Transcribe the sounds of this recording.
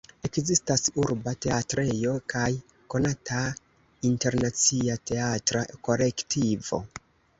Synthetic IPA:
e̞kzistasuɾbate̞atɾe̞jo̞kaj | ko̞nata | inte̞ɾnat͡siate̞atɾako̞le̞ktʰivo̞̰

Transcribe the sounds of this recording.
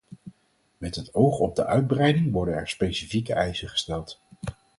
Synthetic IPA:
mɛtɦətowχɔb̚dəʔœɥd̚brɛjdɪŋʋɔɹdənɛ̰ɹspejsifikəʔɛjsəχə̥stɛlˠt

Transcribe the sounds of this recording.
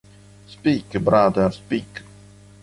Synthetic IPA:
spiːkbɾaːd̪aspiːk

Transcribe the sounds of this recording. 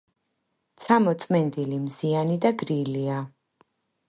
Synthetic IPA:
t̪sʰamɔt̪sʼmɛnd̪ilimzianid̪aɡɾilia

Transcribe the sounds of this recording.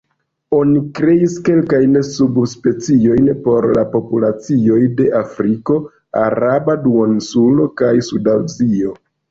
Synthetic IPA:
o̞nikɾe̞iske̞lkajnsubspe̞t͡sio̞jnpo̞ɾlapo̞pulat͡sio̞jde̞ʔafɾiko̞ | a̰ɾabaduonsulo̞kajsudawzio̞

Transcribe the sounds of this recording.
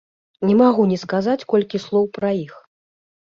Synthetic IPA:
nʲɛmaɣunʲɛskazat͡sʲkɔlʲkʲislˠɔwpɾɐix

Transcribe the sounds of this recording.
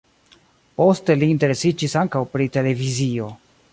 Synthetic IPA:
po̞ste̞liːnte̞ɾe̞sid͡ʒisaŋkawpɾite̞le̞vizio̞

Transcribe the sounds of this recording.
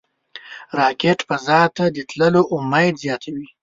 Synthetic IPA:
ɾɑkeʈpazɑt̪ad̪ət̪ləloʔʊmajzjɑt̪ʰawi

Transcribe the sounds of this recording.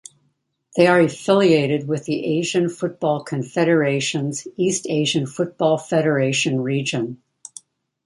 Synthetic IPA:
ðeɪə˞ɨfɪlˠieɪɾɨd̚wɪðiʔeɪʒɨ̃nfʊt̚b̥ɔlˠkʰɨ̃ɱfɛɾə˞eɪʃɨ̃nzisteɪʒɨ̃nfʊt̚b̥ɔlˠfɛɾə˞eɪʃɨ̃nɹid͡ʒɨ̃n

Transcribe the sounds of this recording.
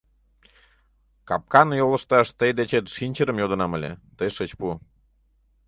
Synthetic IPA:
kɑ̰p̚kɑnjolə̆ʃt̪ɑʃt̪əjd̪et͡ɕet̪ʃinʲt͡ɕəɾəmjod̪ə̆nɑmə̆lʲḛt̪əjʃət͡ɕpu

